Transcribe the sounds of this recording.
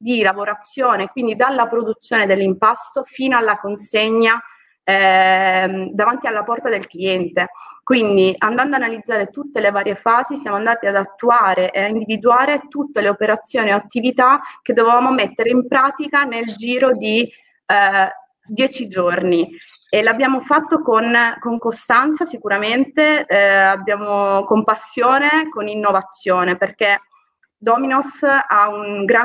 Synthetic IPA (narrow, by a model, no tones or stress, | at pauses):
d̪ilavoɾat̪sːjoːnekwind̪id̪alːapɾod̪ut̪sːjoːned̪elːimpast̪ofiːnoalːakonseɲːa | d̪avant̪ialːapɔrt̪ad̪elkliɛnt̪ekwind̪iʔand̪and̪oanalid̪zːaːɾet̪ut̪ːelevaːɾjefaːzisjaːmoand̪aːt̪iad̪at̪ːuaːɾeʔeaind̪ivid̪uaːɾet̪ut̪ːeleopeɾat̪sːjoːnioat̪ːivit̪ak̟ed̪ːovevaːmomet̪ːeɾeimpɾaːt̪ikaneld͡ʒiːɾod̪i | d̪jɛːt͡ʃid͡ʒorni | elabːjaːmofat̪ːokonkoŋkost̪ant̪sasikuɾament̪eabːjaːmokompasːjoːnekoninːovat̪sːjoːneperk̟e | d̪ɔminosauŋɡɾa